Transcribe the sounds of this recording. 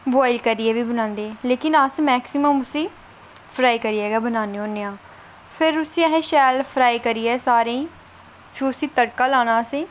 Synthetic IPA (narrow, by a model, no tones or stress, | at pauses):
bɔːɪlkəɾiːɛːʋiːbənãːnd̪eːleːkɪnəsmɛːksɪməmʊsĩː | pʰɾaːikəɾiːɛːɡaːbənãːneõːnːeːãː | pʰɪɾʊsĩːɛɦẽːʃɛːlpʰɾaːikəɾiːɛːsaːɾẽiː | t͡ʃʰuːsiːt̪əɽkãːlãːñãːəsẽː